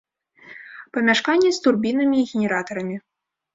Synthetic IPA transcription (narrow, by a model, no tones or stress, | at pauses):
pɐmʲaʂkanʲːɛst̪urbʲinɐmʲiːɣʲenʲɛɾat̪ɐɾɐmʲi